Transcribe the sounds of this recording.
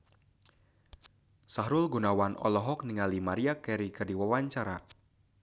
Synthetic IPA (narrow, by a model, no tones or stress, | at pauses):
saɦɾʊlɡunawanʔɔ̰lɔɦɔk̚niŋalimaɾiakɛɾikɨrdiwawaɲt͡ʃaɾa̰